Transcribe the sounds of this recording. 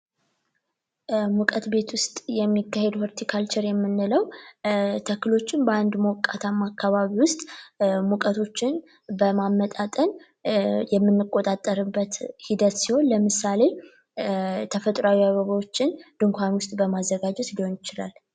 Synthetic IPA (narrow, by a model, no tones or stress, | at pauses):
mukʼət̪be̞t̪wʊst̪ʼjɛmːikːahe̞d̪hoɾt̪ʰikʰalt͡ʃɛɾjɛmːɨnːɨləw | t̪ʰəkːɨlo̞t͡ʃːɪnbəand̪məwkʼːat̪ʰamːakʰːaβaβiwʊst̪ʼmukʼət̪ʰo̞t͡ʃːɪn | bəmamːət̪ʼat̪ʼən | jɛmːɨnːɨkʼo̞t̪ʼat̪ʼːəɾɨbːət̪hid̪ət̪siho̞nləmɨsale̞ | t̪ʰəfət̪ʼɾawiaβəβawo̞t͡ʃːɪnd̪̥ɨŋkʷanwʊst̪ʼbəmazːəɡad͡ʒɛt̪liho̞njɪt͡ʃɪla̰l